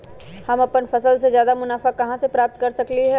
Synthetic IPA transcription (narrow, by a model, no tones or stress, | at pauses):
hɐmɐpənfɐsəlsezjaːd̪amʊnaːfakɐɦãsepɾaːp̚t̪̚kɐɾsɐkliɦɛ